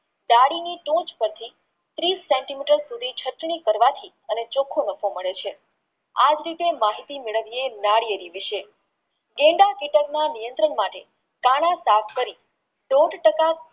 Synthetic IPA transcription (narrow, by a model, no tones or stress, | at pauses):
ɖaɽiniʈũt͡ʃpəɾt̪ʰi | t̪ɾisːɛ̃ɳʈimiʈəɾsud̪ʱit͡ʃʰəʈɳ̃ikəɾʋat̪ʰi | ənet͡ʃokʰonəfoməɭet͡ʃʰe | ad͡ʒɾit̪emaɦit̪imeɭəʋienaɽijeɾiʋɪʃe | ɡẽɳɖakɪʈəknanijənt̪ɾəɳmaʈḛ | kaɽ̃asapʰkəɾi | ɖoɖʈəka